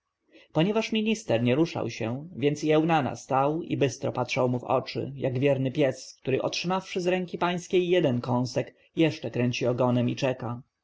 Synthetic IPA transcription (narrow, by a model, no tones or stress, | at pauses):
pɔɲɛvaʂmʲiɲist̪ɛɾɲɛɾuʂa̰wɕɛvʲjɛnt̪siɛwnana̰st̪awḭbɘst̪ɾɔ̰patʂawmuvɔ̰t͡ʂɘ̰jaɡvʲjɛɾnɘpʲjɛskt̪uɾɘʔɔtʂɘmafʂɘzɾɛŋkʲipaj̃skʲejːɛd̪ɛnkɔ̃w̃sɛk | jɛʂt͡ʂɛkɾɛɲt͡ɕiɔɡɔnɛmit͡ʂɛka